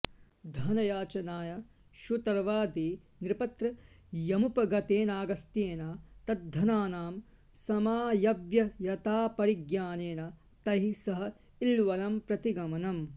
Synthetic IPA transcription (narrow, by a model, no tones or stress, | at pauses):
d̪ʱɐnɐjaːt͡ʃɐnaːjɐ | ʃut̪ɐɾɐʋaːd̪i | niɾpɐt̪ɾɐ | jɐmupɐɡɐt̪eːnaːɡɐst̪jeːnaːt̪ɐd̪ʱːɐnaːnaːm | sɐmaːjɐʋjɐjɐt̪aːpɐɾiɡjaːneːnɐ | t̪ɐɦisɐɦɐ̆ | ilʋɐlɐmpɾɐt̪iɡɐmɐnɐm